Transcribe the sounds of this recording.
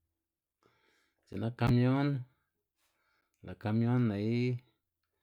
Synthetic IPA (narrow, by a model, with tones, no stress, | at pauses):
t͡ʃe˨nã˦ka˧mjo˦n | la˨ka˧mjo˦nːã˨i˦